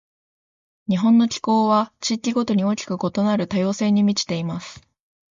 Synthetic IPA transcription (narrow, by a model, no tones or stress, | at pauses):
ɲ̟iɦõ̞nːo̞kʲi̥ko̞ːβat͡ɕikʲiɡo̞t̪o̞ɲ̟io̞ːkʲi̥kɯ̟ko̞t̪o̞naɾɯ̟t̪ajo̞ːse̞ːɲ̟imʲit͡ɕi̥t̪e̞imasɨ̥